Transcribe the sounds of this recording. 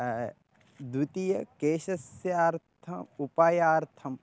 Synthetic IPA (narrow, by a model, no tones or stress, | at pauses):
d̪wit̪ijɐkeːʃɐsjaːɾt̪ʰɐupaːjaːɾt̪ʰɐm